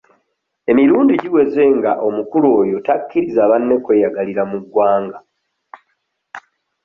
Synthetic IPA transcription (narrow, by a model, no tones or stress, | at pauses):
e̞miɾuːndiɟiwe̞ze̞ŋɡaʔo̞mukulo̞ːjo̞takːiɾizaβanːe̞kwe̞ːjaɡaliɾamuɡːwaːŋɡa